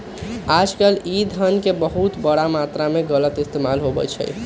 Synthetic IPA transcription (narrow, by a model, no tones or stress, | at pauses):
ad͡ʒkəlid̪ʱənkebəɦut̪bəɽamat̪ɾameɡələt̪ist̪emalɦobɛ̰t͡ʃʰɛ̰j